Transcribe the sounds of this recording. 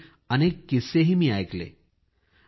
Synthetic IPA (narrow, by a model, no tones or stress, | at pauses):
əneːkːiseɦimiajklḛː